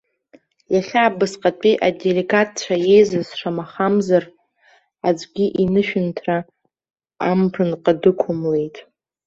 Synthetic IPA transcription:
jaχʲaːbɨsqʼat͡pʼiʔadeleɡat̚ʰt͡ʃʷʰaje̞jzɨzʂamaχamzar | ad͡ʒʷʼɡʲiʔinɨʃᶣɪntʰra | ampʰɨnqʼadɨkʷʰʊmle̞jtʼ

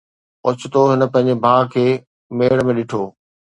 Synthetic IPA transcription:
ʊt͡ɕɪt̪oɦɪnə̆pɐ̃ɦɪ̃ɲd͡ʑebʱaːkʰeː | meːɽmẽɗɪʈʰoː

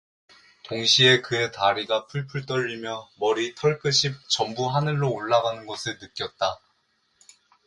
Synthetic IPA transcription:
toŋɕʰie̞kɯe̞taɾiɡapʰuɭpʰuɭt͈ʌʎːimjʌmʌɾitʰʌɭk͈ɯɕʰip̚t͡ɕʌmbuɦanɯɭːoːɭːaɡanɯnɡʌsʰɯɭnɯk͈jʌt̚t͈a

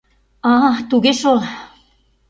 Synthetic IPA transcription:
ɑt̪uɣeʃol

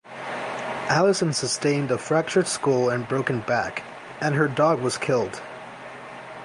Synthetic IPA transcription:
ʔælˠəsɨ̃nsɨstẽɪ̃ndəfɹæk̚t͡ʃə˞dskulˠɨ̃nbɹoʊkɨ̃n̩bæk | ɨ̃nə˞dɔɡwʌz̥kʰɪlˠd̥

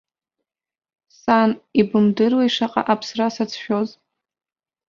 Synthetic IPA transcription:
sanibɨmdɨrwaiʂaqʼa̰ʔapʰsrasat͡sʰʃᶣoz

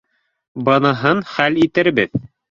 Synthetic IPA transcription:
bɤ̆nɤ̆ɦɤnχælit̪ɘɾbɘð

